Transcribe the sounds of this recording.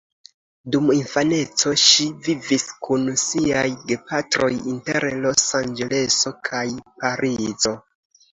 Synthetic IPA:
duminfane̞t͡so̞ʃiviviskunsiajɡe̞patɾo̞̰jinteɾlo̞sand͡ʒe̞le̞so̞kʰajpaɾizo̞

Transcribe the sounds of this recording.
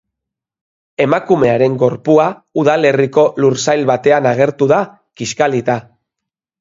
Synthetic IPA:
e̞makume̞aɾe̞ŋɡo̞ɾpuauðale̞riko̞luɾsajlβat̪e̞anaɣ̞e̞ɾt̪uða | kiskalit̪a

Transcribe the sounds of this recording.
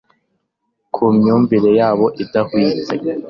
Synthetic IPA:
kʰumɲuːɱviɾe̞jaːβo̞ʔidahwiːt͡sḛ

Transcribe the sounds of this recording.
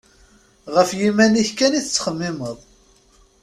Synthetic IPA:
ʁəfjimæniçkæniθət͡sːχəmːɪməðˤ

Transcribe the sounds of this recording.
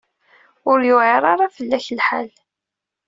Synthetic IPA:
ʊɾjʊʕeɾˤɑɾˤɑfəlːæçəlħal

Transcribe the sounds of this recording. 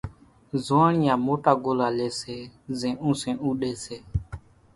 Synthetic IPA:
zɔ̃ãɾĩãmotaɡolalesɛzɛ̃ũsɛ̃ũɗesɛ

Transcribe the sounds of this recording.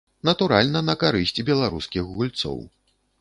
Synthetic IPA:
nɐt̪uɾalʲnɐnɐkaɾɨsʲt͡sʲbʲɛlˠaɾuskʲixɣulʲt̪sɔ̰w

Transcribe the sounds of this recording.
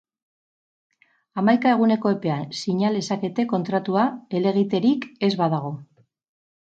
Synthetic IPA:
amajkae̞ɣ̞une̞ko̞e̞pe̞ansiɲale̞sake̞t̪e̞ko̞nt̪ɾat̪uae̞le̞ɣit̪e̞ɾike̞zβað̞aɣ̞o̞

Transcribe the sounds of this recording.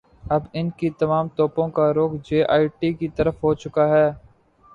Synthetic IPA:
ɐbɪnkit̪ɐmaːmt̪ɔːpõkaɾoːkʰd͡ʒeːʔaːiʈiːkit̪ɐɾəfɦoːt͡ʃʊkaɦɛː

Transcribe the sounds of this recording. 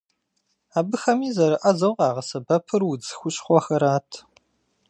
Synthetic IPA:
aːbɨxɐmiːzɐɾɨʔɐzɐwqɑːʁɐsɐbɐpʰɨrwʊd͡zɨxʷʊɕχʷɔxɐɾaːtʰ

